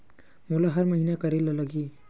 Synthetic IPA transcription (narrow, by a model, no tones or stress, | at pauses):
molaɦəɾməɦinakəɾeloləɡi